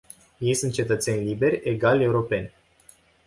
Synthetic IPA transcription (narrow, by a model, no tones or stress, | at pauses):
je̞jsunt̪̚t͡ʃe̞t̪ət̪sʲe̞nʲlibe̞rʲeɡalʲe̞uɾo̞pe̞nʲ